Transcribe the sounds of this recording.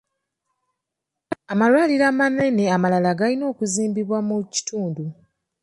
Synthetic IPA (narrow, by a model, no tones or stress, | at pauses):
amalwaːliɾaːmane̞ne̞amalalaɡalino̞ːkuziːmbiβwamuci̥tʰuːndu